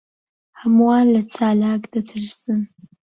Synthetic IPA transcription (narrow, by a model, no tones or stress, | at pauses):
amuwalat͡sʰaːlaːɡdɐtʰɨrsɨn